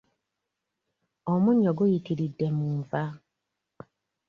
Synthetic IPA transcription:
omuɲːoɡujitiɾidːe̞muːɱva

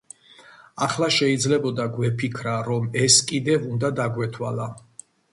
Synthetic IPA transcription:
aχlˠaʃɛid̪zlɛbɔd̪aɡwɛpʰikʰɾaɾɔmɛskʼid̪ɛvund̪ad̪aɡwɛt̪ʰwala

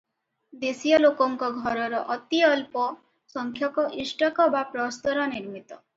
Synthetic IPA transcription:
d̪esijɔlokɔŋkɔɡʱɔɾɔɾɔʔɔt̪iɔlpɔ | sɔŋkʰjɔkɔʔisʈɔkɔbapɾɔst̪ɔɾɔniɾmit̪ɔ

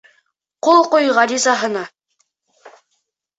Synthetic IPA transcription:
qolˠqojʁɑɾʲizɑɦɤ̆nɑ

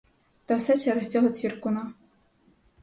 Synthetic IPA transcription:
t̪ɐwsɛt͡ʃɛɾɔsʲt͡sʲɔɦɔt͡sʲʋʲirkʊnɑ

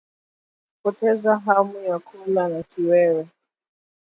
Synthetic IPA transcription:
pɔtɛzaɦamujakʰulanatiwɛɾɛ

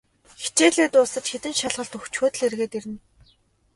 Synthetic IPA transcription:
xe̥t͡ɕeːɮeːt̪ʊːsə̆t͡ɕxet̪ɘ̆nʃaɮʁə̆ɬt̪ɵxt͡ɕxʊːt̪ɘ̆ɮerɣeːt̪eɾɘ̆n

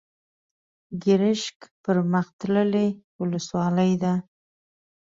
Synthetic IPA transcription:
ɡɪɾɪʃkpəɾməxt̪ləlewʊləswɑləjd̪a

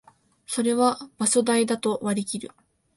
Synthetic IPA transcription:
so̞ɾe̞βab̥asod̪aid̪at̪o̞βaɾʲikʲiɾɯ̟̰

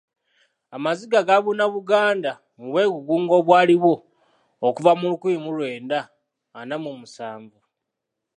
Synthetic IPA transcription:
amaziɡaɡaβunaβuɡaːnda | muβwe̞ːɡuɡuːŋɡo̞ːβwaːliβoː | kuvamulukuimulwe̞ːndaː | namumusaːɱɡu

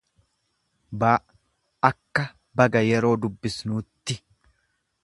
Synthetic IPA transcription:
baːʔ | ɐkːɐ | bɐɡɐjɛɾo̞ːd̪ʊbːɪsnuːt̪ːɪ

